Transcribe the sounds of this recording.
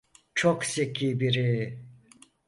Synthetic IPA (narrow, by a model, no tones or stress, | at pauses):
t͡ʃʰoksekʲʰibiɾi